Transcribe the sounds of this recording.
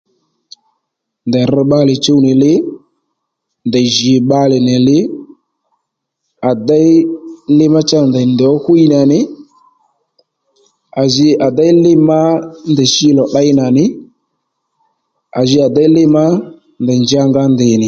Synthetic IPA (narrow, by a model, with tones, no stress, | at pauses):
ndɛ˨ɾɛ˦ɓa˦lɪ˨t͡ʃo˦u˦nɪ˨lɪ˦ | ndɛ˨ʒi˨ɓa˦lɪ˨nɛ˨lɪ˦ | a˨da˦lɪ˦ma˦t͡ʃa˦˨ndɛ˨ndɛ˨ɔ˦xu˦i˦na˨nɪ˨˦ | a˨zɪ˧a˨da˦ɪ˦lɪ˦ma˦ndɛ˨ʃi˦lɔ˨ɗa˦ɪ˦na˨nɪ˦ | a˨ʒɪ˦a˨da˦ɪ˦lɪ˦ma˦ | ndɛ˨nd͡ʒɪ˦a˦ŋɡa˦ndɪ˨nɪ˨